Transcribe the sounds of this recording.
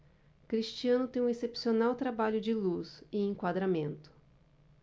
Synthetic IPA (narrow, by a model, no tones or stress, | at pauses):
kɾiʃt͡ʃiɐ̃nʊt̪ẽj̃ũesepsionawt̪ɾabaʎʊd͡ʒɪluzɪ̃ẽŋkwad̪ɾamẽnt̪ʊ̥